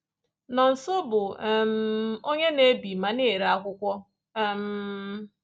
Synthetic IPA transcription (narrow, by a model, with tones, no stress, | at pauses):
nɔ˨n̩˨so˦bʊ˨m̩˦o˦ɲe˦ne˦bi˨ma˨ne˦˨ɾa˦kʷʊ˦kʷɔ˦˨ | m̩˨˦